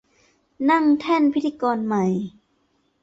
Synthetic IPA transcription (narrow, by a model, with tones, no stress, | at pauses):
na˥˩˨ŋt̪ʰɛ˥˩˨npʰi˦˥t̪ʰːiː˧kɔː˧nma˧˦j